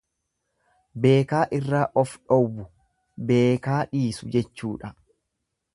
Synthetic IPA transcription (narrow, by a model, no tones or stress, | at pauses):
be̞ːkaːʔɪrːaːʔɔfᶑɔwʊ | be̞ːkaːᶑiːsʊd͡ʒɛt͡ʃːuːᶑɐ